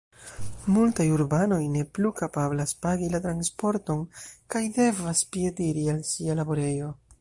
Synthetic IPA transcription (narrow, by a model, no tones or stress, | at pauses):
multajuɾbano̞jne̞plukapablaspaɡilatɾanspo̞ɾto̞nkajde̞vaspie̞diɾialsialabo̞ɾe̞jo̞